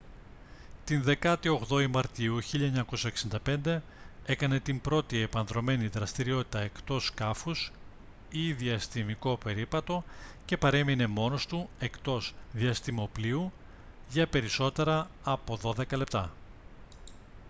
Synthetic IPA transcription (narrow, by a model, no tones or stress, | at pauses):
t̪inðe̞kɐt̪io̞ɣðo̞imɐɾt̪iuçiʎɐeɲɐko̞sɐeksind̪ɐpe̞nd̪e̞ | e̞kɐne̞t̪imbɾo̞t̪ie̞pɐnðɾo̞me̞niðɾɐst̪iɾio̞t̪i̥t̪ɐe̞kt̪o̞skɐfus | iðiɐst̪imiko̞pe̞ɾipɐt̪o̞ce̞pɐɾe̞mine̞mo̞no̞st̪ue̞kt̪o̞zðiɐst̪imo̞pliu | ʝɐpe̞ɾiso̞t̪e̞ɾɐ | ɐpo̞ðo̞ðe̞kɐle̞p̚t̪ɐ